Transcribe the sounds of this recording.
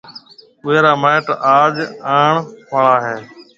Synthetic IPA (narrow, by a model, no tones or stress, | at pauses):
ɓʊeːɾaːmeːʈaːd͡ʒaːɳpaɭaːɦeː